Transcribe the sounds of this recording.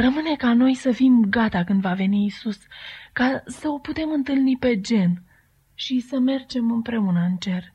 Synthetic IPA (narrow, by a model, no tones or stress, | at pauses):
rəmɨne̞kano̞jsəfimɡat̪akɨnd̪vave̞niːsuskasəo̞put̪e̞mɨnt̪ɨlnipe̞d͡ʒe̞n | ʃisəme̞rd͡ʒe̞mɨmpɾe̞unəɨnt͡ʃe̞r